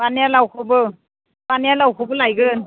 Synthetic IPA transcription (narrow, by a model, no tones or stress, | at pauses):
panijalawkʰɯbɯ | banijalawkʰɔbɯlajɡɯn